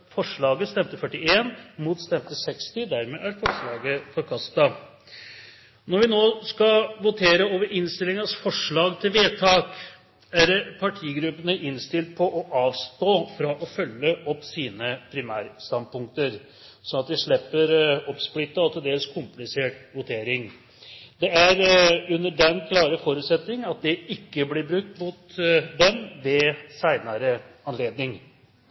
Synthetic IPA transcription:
fɔʂɭɑːɡəst̪ɛmt̪əfœʈːɪeːnmut̪st̪ɛmt̪əsɛkst̪ɪd̪æɾmeːʔæɾfɔʂɭɑːɡəfɔɾkʰɑst̪ɑ | nɔɾʋɪnoːskɑʋʊt̪ʰeːɾəoːʋəɾɪnst̪ɪlɪŋɑsfɔʂɭɑːɡt̪ʰɪlʋeːt̪ʰɑːk | æɾpʰɑʈʰiːɡɾʉpːənəʔɪnst̪ɪlt̪̚pʰɔʔɔʔɑːʋst̪oːfɾɑʔɔfœlːəʔɔpːsiːnəpʰɾɪmæːɾst̪ɑnd̪pʊŋk̚t̪əɾ | sɔnɑt̪̚d̪ɛʂɭɛpːəɾɔpsplɪt̪ːəɑt̪ʰɪld̪eːləskʰʊmplɪseːʈʋʊt̪ʰeːɾɪŋ | d̪ɛæɾʉnːəɖɛnkʰlɑːɾəfɔɾʉːt̪sɛt̪nɪŋɑt̪̚d̪ɛɪkːəblɪɾbɾʉk̚t̪muːt̪d̪ɛmʋɛsæɪnɑɾəɑnleːd̪nɪŋ

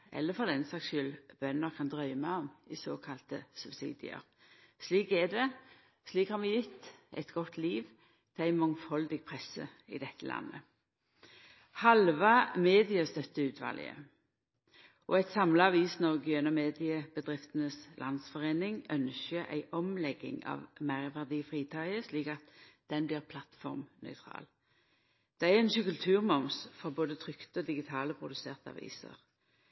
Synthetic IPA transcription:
ʔɛ̰lːəfɔʁd̪ɛnsɑkʃʏlb̥œnəʁkʰɑnd̪ʁœʏmæɔmɪsoːkʰɑlt̪əsʉb̥sḭːd̪ɪ̰ə̰ʁ | sliːkɛd̪ɛ | sliːkhɑʁʋɪjɪt̪ːæ̰ɪt̪ɡɔt̪ːliːʋ | t̪ʰɪæɪmɔŋfɔld̪ɪɡ̚pʰʁɛsːə̰ɪ̰d̪ɛt̪ʰːəlʔɑ̰nːə | hɑlʋɑmeːd̪ɪəst̪œt̪ːəʉːt̪ʰʋɑ̰ːlɪ̰ə̰ | ʔɔæt̪sɑmləɑʋiːsnɔʁɡjœnɔmeːd̪ɪəb̥əd̪ʁɪft̪ənəslʔɑnd̪sfɔʁeːnɪŋœnʃəʔæ̰ɪʔɔmlɛɡɪ̰ŋɑ̰ʋmæɪʁʋæʁd̪iːfʁiːt̪ʰɑɪəsliːkɑt̪d̪̥ɛnbliːʁpʰlɑt̪fɔʁmnœ̰ʏt̪ʰʁɑ̰ːl | d̪̥ɛæɛnʃʉkəlt̪ʰʉːʁmɔmsfɔʁboːd̪ət̪ʰʁʏkt̪əɔd̪ɪɡɪt̪ʰɑːləpʰʁʊd̪ʉseːʁt̪əɑ̰ʋḭːsə̰ʁ

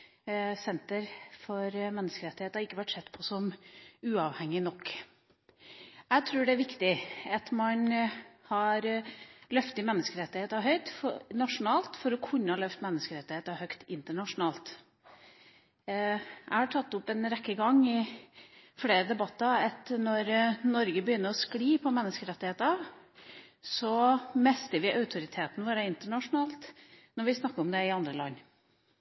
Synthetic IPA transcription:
sɛnt̪əɾfɔɾmɛnːəskəɾɛt̪ːɪheːt̪ɑɾɪkːəʋæʈsɛt̪ːpʰɔsɔmʉːɑʋhɛŋːɪnɔkː | æɪt̪ʰɾʉːɖɛæɾʋɪkt̪ɪɑt̪mɑnhɑɾlœft̪ɪmɛnːəskəɾɛt̪ːɪheːt̪ɑɦœʏt̪nɑʂʊnɑːlt̪fɔɾɔkʰʉnːəhɑlœft̪mɛnːəskəɾɛt̪ːɪheːt̪ɑhœkt̪ɪnt̪əɳɑʂʊnɑːlt̪ | ʔæ̰hɑʈʰɑt̪ːʊpːɛnɾɛkːəɡɑŋɪ | fleːɾəd̪ɛbɑt̪ːɑɑt̪nɔɾnɔɾɡəbəjʏnːəɾɔskliːpʰɔmɛnːəskəɾɛt̪ːɪheːt̪ɑʋ | sɔmɛst̪əʋɪʔœʉt̪ʰʊɾɪt̪ʰeːt̪n̩ʋoːɾɑɪnt̪əɳɑʂʊnɑːlt̪ | nɔɾʋɪsnɑkːəɾɔmd̪ɛɪɑnd̪ɾəlɑ̰nː

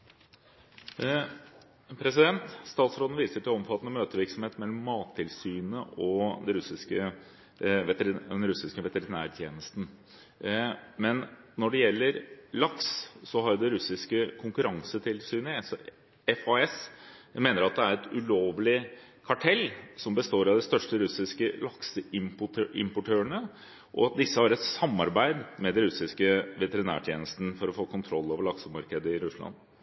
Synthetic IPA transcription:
pʰɾɛs̬ɪd̪ɛnt̪st̪ɑːt̪sɾoːd̪n̩ʋiːsəʈɪlɔmfɑt̪ːənəmøːt̪əʋɪɾksɔmheːt̪mɛlːɔmːɑːt̪ʰːɪlsyːnəʔɔd̪ɛɾʉsɪskə | ʋɛt̪ɾɪɛnɾʉsɪskəʋɛt̪əɾɪnæ̰ːɾt̪ʰjḛːnəst̪n̩ | mɛnnɔɖɛjɛlːəɾlɑkssɔɦɑɾd̪ɛɾʉsɪskəkʰʊŋkʉɾɑŋsət̪ʰɪlsyneːsɔ | ɛfoɛsmeːnəɾɑt̪̚d̪ɛæɾɛt̪ʉloːʋlɪ | kʰɑʈʰɛlːsɔmbəst̪oːɾɑd̪ɛst̪œʂʈəɾʉsɪskəlɑksəɪmpʊɪ̰mpʊʈʰøːəɳə | ʔɔ̰ɑt̪̚d̪ɪsːəhɑɾɛt̪sɑmːɑɾbæɪd̪mɛd̪ɛnɾʉsɪskəʋɛt̪əɾɪnæ̰ːʈʰjeːnəst̪n̩fɔɾɔfoːkʰʊnt̪ʰɾɔlːoːʋəɭɑksəmɑɾkəd̪əɪɾʉslɑ̰nː

